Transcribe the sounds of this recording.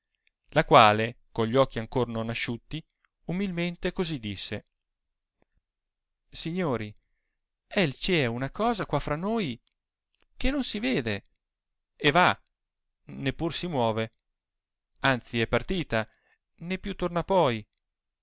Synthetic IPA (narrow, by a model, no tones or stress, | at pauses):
lakwaːlekoɲʎːiɔk̟ːiaŋkornonːaʃːut̪ːi | umilment̪ekozid̪ːisːe | siɲːoːɾi | ɛlt͡ʃiɛunakɔːzakwafɾanːoːj | kenːonsiveːd̪e | eva | nepːursimwɔːve | ant̪siɛpːart̪iːt̪a | nepːjut̪ːornapɔj